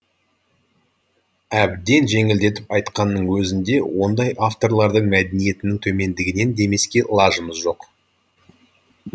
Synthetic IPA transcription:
æbd̪e̞nʒe̞ŋɪld̪e̞t̪ɪpɑjt̪qɑnːəɴwɵzɪnd̪e̞wo̞nd̪ɑjʔaft̪o̞ɾlˠɑɾd̪əɴmæd̪enije̞t̪ɪnɪŋt̪ʰɵme̞nd̪ɪɡʲɪne̞nd̪e̞me̞skʲe̞lˠɑʒəməzʒo̞q

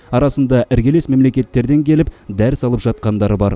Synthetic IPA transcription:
ɑɾɑsənd̪ɑʔɪɾɡʲe̞le̞smemle̞kʲe̞t̪ːe̞ɾd̪e̞ŋkʲʰe̞lɪp̚d̪æɾsɑlˠəpʒɑt̪̚qɑnd̪ɑɾəbɑ̰ɾ

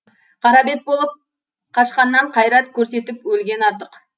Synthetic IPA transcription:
qʰɑɾɑbe̞t̪̚bo̞lˠəp̚ | qʰɑʃqɑnːɑɴqʰɑjɾɑt̪kʲʰɵɾse̞t̪ɪpwɵlɡʲe̞nɑɾt̪əq

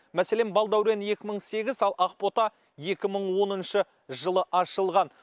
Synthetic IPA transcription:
mæsele̞nbɑlˠd̪ɑwɾe̞nje̞kʲɪməɴse̞ɡʲɪzɑlˠʔɑqpo̞t̪ɑ | je̞kʲɪməɴwo̞nənʃə | ʒəlˠəʔɑʃəlˠʁɑn

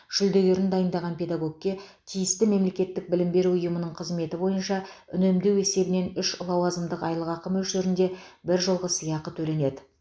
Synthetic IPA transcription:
ʒ̥ʏld̪e̞ɡʲe̞ɾɪnd̪ɑjənd̪ɑʁɑnpʲe̞d̪aɡo̞ɡ̚kʲːe̞t̪ʲʰijɪst̪ɪme̞mle̞kʲe̞t̪ːɪk̚bɪlɪmbe̞ɾuʊjəmənəɴqʰəzme̞t̪ɪbo̞jənʃɑʏnemd̪e̞we̞se̞bɪne̞nʏʃlˠɑwɑzəmd̪əqɑjlˠəʁɑqəmɵlʃeɾɪnd̪e̞ | bɪɾʒolˠʁəsijɑqət̪ʰɵle̞ne̞d̪ɪ

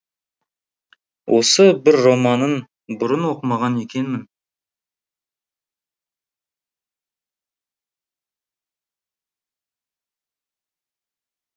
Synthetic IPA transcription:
wʔo̞̰səbɪɾːo̞mɑnən | bʊɾənwo̞qəmɑʁɑne̞kʲe̞nmɪn

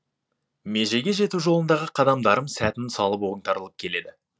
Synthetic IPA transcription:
me̞ʒe̞ɡʲe̞ʒe̞t̪uʒo̞lˠənd̪ɑʁəqʰɑd̪ɑmd̪ɑɾəmsæt̪ɪnsɑlˠəp̬o̞ɾəŋt̪ɑɾəlˠəp̚kʲʰe̞le̞d̪ɪ

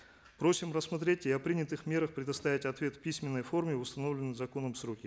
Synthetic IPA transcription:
pɾo̞sʲɪmrəsmɐt̪ɾʲetʲɪɐpɾʲinʲɪt̪ɨxmʲe̞ɾəxpɾʲɪd̪ɐst̪avʲɪtʲɐt̪vʲe̞t̪fpʲisʲmʲɪnːəjfo̞rmʲɪʊst̪ɐno̞vlʲɪnːɨjzɐko̞nəmsɾo̞kʲɪ

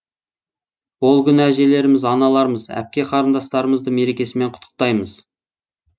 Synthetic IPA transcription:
wo̞lˠkʲʏnæʒe̞le̞ɾɪmɪzɑnɑlˠɑɾəməzæ̰p̚kʲe̞qʰɑɾənd̪ɑst̪ɑɾəməzd̪əme̞ɾe̞kʲe̞sɪme̞ɴqʰʊt̪ʰːə̥q̚t̪ɑjməz

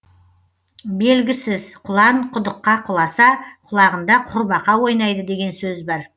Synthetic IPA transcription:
be̞lɡʲɪsɪzqʰʊlˠɑɴqʰʊd̪əqːɑqʰʊlˠɑsɑqʰʊlˠɑʁənd̪ɑqʰʊɾbɑqɑwo̞jnɑjd̪əd̪e̞ɡʲe̞nsɵzbɑɾ

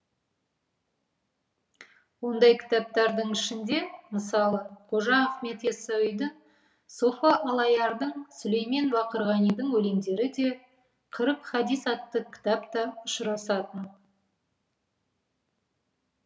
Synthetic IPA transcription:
wo̞nd̪ɑjkʲʰɪ̥t̪ɑp̚t̪ɑɾd̪əɴɪʃɪnd̪e̞məsɑlˠəqʰoʒɑɑχme̞t̪esɑijd̪əɴ | sofaʔɑlˠɑjɑɾd̪əɴsʊlejmenbɑqəɾʁɑnijd̪əɴwɵle̞ŋd̪e̞ɾɪd̪e̞ | qʰəɾəqχɑd̪ijsɑt̪ːəkʲʰɪ̥t̪apt̪ɑʊʃəɾɑsɑt̪ən

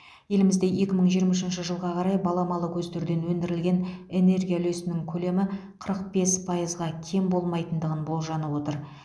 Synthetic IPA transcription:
je̞lɪmɪzd̪e̞je̞kʲɪməɴʒijəɾmɑʃ̬ɪnʃɪʒəlˠʁɑqʰɑɾɑjbɑlˠɑmɑlˠəkʲʰɵzd̪eɾd̪e̞nwɵnd̪ɪɾɪlɡʲe̞ne̞ne̞rɡʲijale̞sɪnɪŋkʲʰɵle̞mɪ | qʰəɾəq̚be̞spʰɑjəzʁɑkʲʰe̞mbo̞lˠmɑjt̪ənd̪əʁənbo̞lˠʒɑnəwo̞t̪əɾ

